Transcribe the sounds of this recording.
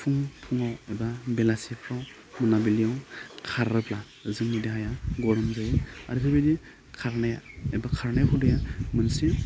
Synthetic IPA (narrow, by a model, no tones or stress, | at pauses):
pʰuŋpʰuŋawebabelasipʰɾaw | mɯnabilijawkʰaɾɯpʰla | zɯŋnideɦajaɡɔɾɯmzajaɾitʰabidi | kʰaɾnajaebakʰaɾnajpʰudajamɯnsi